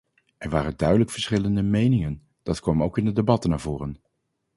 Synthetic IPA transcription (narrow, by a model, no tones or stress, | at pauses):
ʔɛɹʋaːrəndœɥdələkfəɹsχɪləndəmejnɪŋən | d̥ɑtkʋɔmowkɪndədebɑtənaːɹvʊːrən